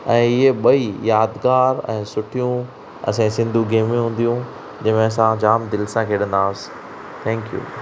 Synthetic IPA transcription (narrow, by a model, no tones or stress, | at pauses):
ɛ̃ːɪeɓɐijaːd̪ɡaːɾɛ̰̃ːsʊʈʰijũ | ɐ̰sẽsɪ̃nd̪ʱuɡeːmẽɦũːn̆d̪ijũ | d͡ʑɐɦmẽɐs̬ãd͡ʑaːmd̪ɪlsãkʰeːɗə̃nd̪aːsɪ̥ | t̪ʰɛ̃ːŋkjṵː